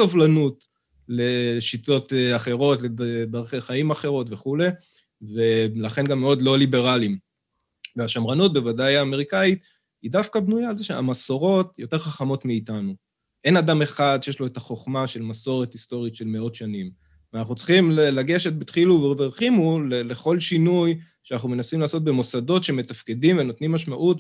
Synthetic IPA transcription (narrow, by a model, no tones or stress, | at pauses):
sovlanut | le̞ʃito̞taχe̞ʁo̞tleddaʁχeχaimaχe̞ʁo̞tve̞χule̞ | ve̞laχe̞nɡamːeo̞dlo̞libe̞ʁalim | veaʃamʁanut̚be̞vadajaːme̞ʁikait | hidafkabnujaːlzeʃea̰masoʁo̞tjo̞te̞ʁχaχamo̞tmiiːtanu | ʔe̞nadame̞χad̪ʃejeʃlo̞etaχo̞χmaʃe̞lmaso̞ʁe̞tisto̞ʁitʃe̞lme̞o̞tʃanim | veanaχut͡sχimlaɡe̞ʃet̚bet̪χiluveveʁχimulele̞χo̞lʃinuj | ʃeanaχnume̞nasimlaːso̞t̚be̞mosado̞tʃeeme̞tafke̞dimveno̞tnimːaʃmaʔut